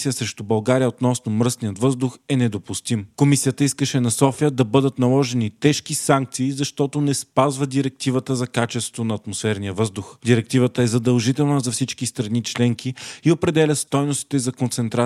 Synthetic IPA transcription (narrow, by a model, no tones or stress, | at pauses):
sijəsɾɛʃt̪ʊbɐlˠɡaɾijəot̪nɔsnomɾɤsnijət̪vɤzd̪ʊxɛnɛd̪opust̪imkomisijət̪əiskəʃɛnɐsɔfiəd̪ɐbɤd̪ət̪nɐlˠɔʒɛnit̪ɛʃkisaŋk̚t̪siːzɐʃt̪ɔt̪onɛspazvəd̪iɾɛk̚t̪ivət̪əzɐkat͡ʃɛst̪vo̥t̪onɐːt̪mosfɛɾnijəvɤzd̪ʊxd̪iɾɛk̚t̪ivət̪əɛzɐd̪ɐlˠʒit̪ɛlˠnəzɐfsit͡ʃkist̪ɾɐnit͡ʃlɛŋkiiopɾɛd̪ɛlʲəst̪ɔjnost̪i̥t̪ɛzɐkont̪sɛnt̪ɾa